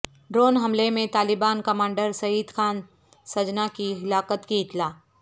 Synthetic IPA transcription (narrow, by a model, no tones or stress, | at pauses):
ɖɾoːnɦɐmlemẽt̪aːlɪbaːnkɐmãːɳɖəɾsɐiːd̪xʰaːn | sɐd͡ʒnakiɦɪlaːqət̪kiɪt̪laː